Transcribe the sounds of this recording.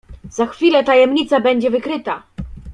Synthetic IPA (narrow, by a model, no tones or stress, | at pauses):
zaxfʲilɛt̪ajɛmɲit̪sabɛɲd͡ʑɛvɘkɾɘt̪a